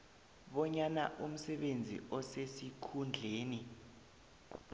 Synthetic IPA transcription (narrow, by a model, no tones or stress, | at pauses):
ɓɔɲana̰ʔum̩sɛɓend͡zʱḭʔɔsesikʰund͡ɮʱeːni